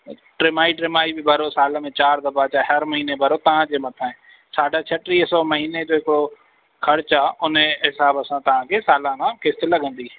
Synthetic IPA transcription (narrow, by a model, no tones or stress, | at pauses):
ʈɾɪmaːiʈɾɪmaːibɪbʱɐɾosaːlmẽt͡ɕaːɾd̪ɐbat͡ɕaːɦɐɾmɐɦiːnebʱɐɾot̪ɐʋ̤ãd͡ʑeːmɐt̪ʰaːɪ̃ | saːɖʱat͡ɕʰɐʈɾiːɦsɔːmɐɦiːned͡ʑoːɦɪkɪɽo | kʰɐɽt͡ɕaːʊnɦɪsaːbɐsãt̪ɐʋ̤ãkʰeːsaːlãnãkɪst̪ɪlɐɠʱə̃nd̪iː